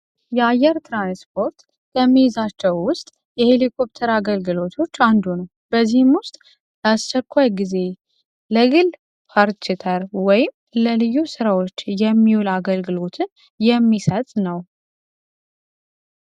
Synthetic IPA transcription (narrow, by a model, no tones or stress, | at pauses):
jɛajɛɾt̪ʰɾanspʰo̞ɾt̪ | kʰəmːijizat͡ʃːɛwwʊst̪ʼ | jɛhelikʰo̞p̚t̪ʰəɾaɡəlɡɨlo̞t̪ʰo̞t͡ʃːand̪unəw | b̥əzːihɨmwʊst̪ʼ | ləast͡ʃːɛkʷːajɡize̞ | ləɡɨl | pʰaɾt͡ʃɪt̪ʰəɾwɔjɪm | ləlɨjːusɨɾawo̞t͡ʃːjɛmːiwulaɡəlɡɨlo̞t̪ʰɨn | jɛmːisət̪ʼnəw